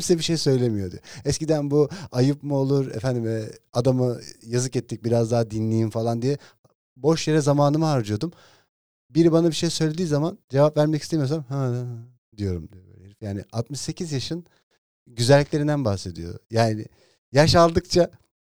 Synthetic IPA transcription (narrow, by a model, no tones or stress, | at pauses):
msɛbiʃe̞jsø̞jlʲe̞mijo̞d̪ḭɛɛscid̪ænbuajɯpmuolˠuɾḛfænd̪imɛad̪amɯjazɯkɛt̪ːic̚biɾazd̪aɦad̪inlʲijinfalˠand̪ijɛ | bo̞ʃjeɾɛzamaːnɯmɯɦaɾd͡ʒɯjo̞d̪um | biɾibanabiʃejsø̞jlʲe̞d̪iːzamand͡ʒe̞vapvæɾmɛcist̪emijosamha | d̪ijo̞ɾumd̪iɛbø̰lʲɾfjaːnɪ̰ʔat̪̚mɯʃse̞cʰizjaʃɯn | ɟyzɛælʲːiclʲeind̪ænbaxse̞d̪ḭjo̞̰jaːnɪ̰ | jaʃalˠd̪ɯk̚t͡ʃʰa